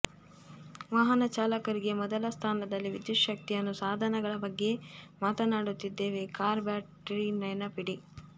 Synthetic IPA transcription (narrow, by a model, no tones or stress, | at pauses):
ʋaːɦɐnɐt͡ʃaːlɐkɐɾiɡemɔd̪ɐlɐst̪ʰaːnɐd̪ɐlːiʋid̪juʃɐk̚t̪iɐnːusaːd̪ʱɐnɐɡɐɭɐbɐɡːe̞maːt̪ɐnaːɽut̪ːid̪ːe̞ːʋe̞kaːɾbaːʈɾinɐjnɐpiɽi